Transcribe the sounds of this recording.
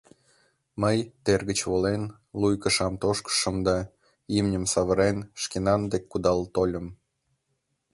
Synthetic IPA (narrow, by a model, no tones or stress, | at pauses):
məjt̪erɣət͡ɕβolen | lujkə̆ʃɑmt̪oʃkə̥ʃə̆md̪ɑ | imnʲəmsɑβəɾenʃkenɑnd̪ekːud̪ɑlt̪olʲəm